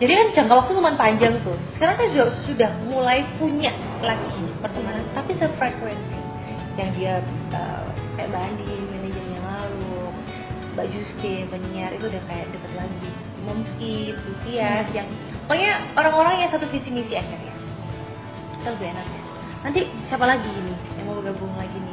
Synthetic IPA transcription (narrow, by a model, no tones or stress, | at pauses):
d͡ʒadikand͡ʒaŋkalwak̚t̪uməmanpaɲd͡ʒaŋt̪ʊhsə̥kaɾaŋsajasudasudahmulajpuɲaʔ | laɡipərt̪əmaɦant̪apisəfɾekwɛnsi | jaŋdiaʔə̰ | kaja̰ʔbandɪnmɛned͡ʒəmɲalalu | bad͡ʒust̪ɪbəniaɾʔḭt̪uːdahkajaʔ̚dəkət̪̚laɡi | məmskip̚but̪iasjaŋ | kaɲaoɾaŋoɾaŋjasat̪ufisimisiad͡ʒarja̰ | t̪ələbienak̚ɲa | nant̪̬isiapalaɡinɪhjaŋmabəɡabuŋlaɡinɪ